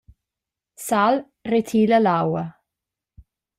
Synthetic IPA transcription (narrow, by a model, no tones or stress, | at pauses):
sal | retʰiːləlawə